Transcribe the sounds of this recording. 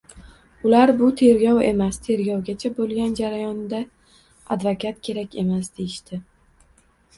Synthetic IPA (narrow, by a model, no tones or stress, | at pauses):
ʊlaɾbʊt̪ʰe̞ɾɡʲɒwe̞mast̪ʰe̞ɾɡʲɒwɡʲat͡ʃʰabolˠɡʲand͡ʒaɾajɒnd̪a | ad̪vakʲʰat̪kʲʰe̞ɾakʲe̞masd̪e̞jɪʃt̪ɪ